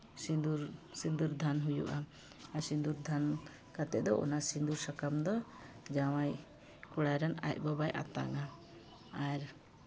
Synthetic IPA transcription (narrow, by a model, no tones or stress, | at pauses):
sind̪uɾsind̪uɾd̪ʱanɦujṵʔa | aɾsind̪uɾd̪ʱan | kat̪ɛʔd̪ɔʔɔ̰nasind̪uɾsakamd̪ɔ | d͡ʒawaj | kuɽajɾana̰c̚bɔbajʔa̰t̪a̰ŋa | aɾ